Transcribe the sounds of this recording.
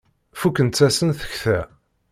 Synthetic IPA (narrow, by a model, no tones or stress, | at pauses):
fukːənt̪t͡sːæsənθə̥çθæ